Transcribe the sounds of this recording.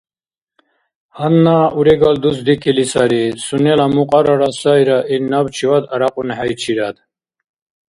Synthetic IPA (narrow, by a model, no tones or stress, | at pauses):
hanːauɾɛɡald̪usd̪ikʰilisaɾisunɛlamuqʼaɾaɾasajɾaʔiɾnabt͡ʃʰivad̪aɾaqʼunħajt͡ʃʰiɾad̪